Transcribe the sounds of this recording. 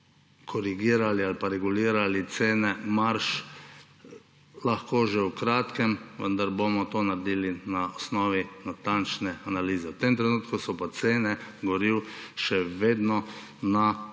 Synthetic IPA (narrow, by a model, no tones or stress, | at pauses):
kʰɔɾiɡiːɾalialpaɾɛɡuliːɾalit̪seːnɛmaɾʃ | laxkoːʒɛwkɾaːt̪kɛmʋə̰nd̪aɾbomɔt̪onaɾd̪iːlinaɔsnɔːʋinat̪ant͡ʃnɛanaliːzɛwt̪emt̪ɾɛnuːt̪kusɔpat̪seːnɛɡɔɾiwʃɛʋeːd̪nɔna